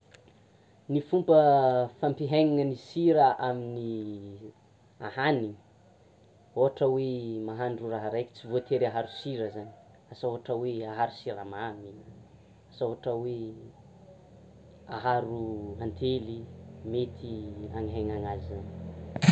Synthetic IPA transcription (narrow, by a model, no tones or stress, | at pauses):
nifumpəfampiɦejŋiŋənisiɾəʔamini | ahani | oɦaʈ͡ʂəwemaɦanɖ͡ʐuraɦaɾajki̥t͡sivot̪eɾaɦaɾusiɾəzani̥ | asoɦaʈ͡ʂəweaɦaɾusiɾamaminə | asaɦaʈ͡ʂəwe | aɦaɾuant̪ʰelimet̪ʰia̰ŋiɦaŋaŋazizani̥